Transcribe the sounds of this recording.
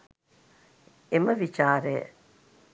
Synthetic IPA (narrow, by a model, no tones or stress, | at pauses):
eməʋit͡ʃaːɾejə̰